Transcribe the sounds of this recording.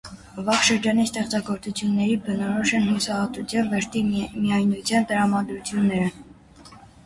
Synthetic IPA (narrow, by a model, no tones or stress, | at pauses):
vɑχʃəɾd͡ʒɑnist̪ɛχt͡sɑɡɔɾt͡sut͡sʰjunːɛɾibənɔɾɔʃɛnhjusɑhɑt̪ut͡sʰjɑnvɛɾt̪imijɑjnut͡sʰjɑnt̪əɾɑmɑd̪ɾut͡sʰjunːɛɾə